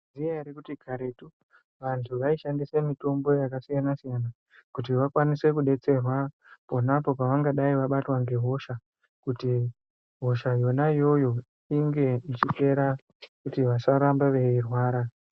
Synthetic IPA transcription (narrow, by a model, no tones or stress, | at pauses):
zijaɾikutiɡʱaɾetu | ʋantʰuʋaiʃandisemito̞mbo̞jakasijanasijana | kutiʋakwanise̞kuɗe̞t͡se̞rwa | po̞napo̞paʋaŋɡaɗaiʋaɓatwaŋɡe̞ɦo̞ʃa | kuti | ɦo̞ʃajo̞najo̞jo̞ | iŋɡe̞it͡ʃipe̞ɾa | kutiʋasaɾambaʋe̞irwaːɾa